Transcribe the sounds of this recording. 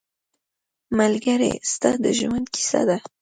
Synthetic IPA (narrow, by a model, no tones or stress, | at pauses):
malɡaɾḛst̪ad̪əʒwand̪̚ki̥sa̰d̪a